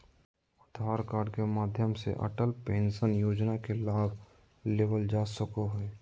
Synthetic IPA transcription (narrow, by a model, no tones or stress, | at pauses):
ʊd̪ʱɦaːɾkaːɾɖkemaːd̪ʱjəmsḛʔə̰ʈəlpẽːnsənjoːd͡ʒnakelaːb | leːʋəld͡ʒaːsəkoɦeː